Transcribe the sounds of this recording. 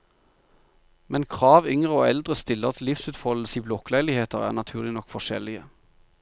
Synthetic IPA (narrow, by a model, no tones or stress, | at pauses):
mɛnkʰʁɑːʋʏŋʁəo̰ːɛld̪ʁəst̪ɪlːəʁt̪ʰlɪfsʉːt̪fɔl̩siːblɔklæɪlɪheːt̪əʁæ̰ːnɑt̪ʰʉːʁlɪnɔkfɔʃɛ̰lɪə